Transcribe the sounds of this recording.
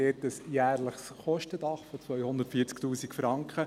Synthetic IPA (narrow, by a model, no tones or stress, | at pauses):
ɛtəsjæːɾləχsχɔʃtədɑχfɔt͡sʋœʏhʊndətfiːt͡sktuːsikfɾɑŋkχə